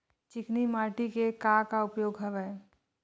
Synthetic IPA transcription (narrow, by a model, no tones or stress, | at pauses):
t͡ʃɪknimaːʈikekaːkaʊpjoːɡɦəʋɛe